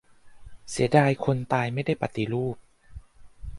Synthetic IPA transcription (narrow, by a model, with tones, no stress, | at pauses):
si˩˦daː˧jkʰo˧nt̪aː˧jma˥˩jda˥˩jpa˨˩t̪i˧ɾuː˥˩p̚